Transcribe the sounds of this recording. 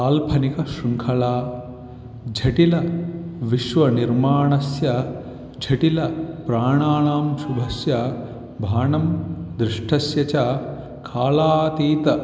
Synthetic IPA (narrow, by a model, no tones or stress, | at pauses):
aːlpʰɐnikɐʃuŋkʰɐlaː | d͡ʒʱɐʈilɐʋiʃʋɐniɾmaːɳɐsjɐ | d͡ʒʱɐʈilɐpɾaːɳaːɳaːmʃubʱɐsjɐ | bʱaːɳɐmd̪ɾɪʂʈʰɐsjɐt͡ʃa | kʰaːlaːt̪iːt̪ɐ